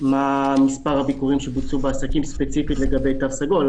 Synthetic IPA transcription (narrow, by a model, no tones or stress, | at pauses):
mamispaʁhabikuʁimʃebut͡subeasakimspet͡sifitle̞ɡabe̞jt̪avsaɡo̞l